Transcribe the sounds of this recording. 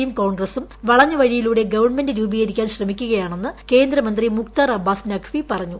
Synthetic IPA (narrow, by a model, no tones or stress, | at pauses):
jumko̞ːɳɡrɐsumʋɐɭɐɲːɐʋɐɻijiluːɽe̞ɡɐʋɐrɳme̞ndɨɾuːbiɣɐɾikʲːaːnɕrɐmikʲːuɣɐjaːɳe̞nːɨke̞ːnd̪ɾɐmɐnd̪rimukt̪arɐbʱːaːsnɐkʰfipɐrɐɲːu